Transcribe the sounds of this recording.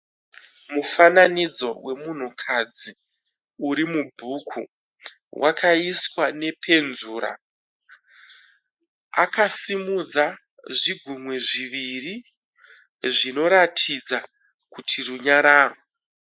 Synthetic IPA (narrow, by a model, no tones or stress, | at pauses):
mufananid͡zo̞we̞mun̤ukʰad͡zi | uɾimubʱukʰu | wʔakaiswane̞pʰe̞nzuːɾa̰ | akasimud͡za | ʐiɡʱumweʐiʋiri | ʐino̞ɾatʰid͡za | kutʰiruɲaɾaːro